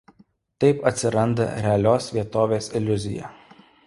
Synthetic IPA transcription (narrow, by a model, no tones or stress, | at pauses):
t̪ɐɪpɐt̪ʲsʲɪɾɐnd̪ɐ̰ɾʲɛɐlʲoːsʋʲiɛt̪oːʋʲeːsɪlʲʊzʲɪjɛ̰